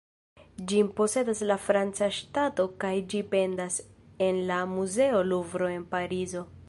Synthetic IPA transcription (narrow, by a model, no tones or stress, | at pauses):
d͡ʒimpo̞se̞daslafɾant͡saʃtato̞kajd͡ʒipe̞ndas | e̞nlamuze̞o̞luvɾo̞e̞npaɾizo̞